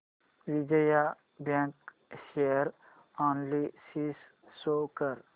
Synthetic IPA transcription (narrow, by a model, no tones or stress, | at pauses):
ʋid͡ʒəja | bãːŋk | ʃeəɾ | oːnlisisː | oːkəɾ